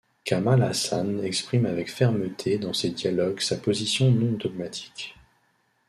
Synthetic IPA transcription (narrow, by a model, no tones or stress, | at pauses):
kamala̰sa̰nɛkspχimavɛkfɛʁmət̪ʰed̪ɑ̃sed̪jalɔɡsapozisjɔ̃nɔ̃d̪ɔɡ̚mat̪ʰi̥k